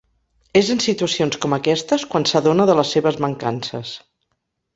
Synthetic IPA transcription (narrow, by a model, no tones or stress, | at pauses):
ezənsit̪uəsionskɔməkɛst̪əskwansəðonəðələsːeβəzməŋkansə̰s